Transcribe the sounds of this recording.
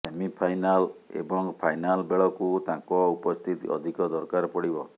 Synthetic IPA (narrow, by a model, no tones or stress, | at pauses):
emipʰajnalḛbɔŋpʰajnalbeɭɔkut̪ãkɔupɔst̪ʰit̪ḭɔ̰d̪ʱikɔd̪ɔɾkaɾpɔɽibɔ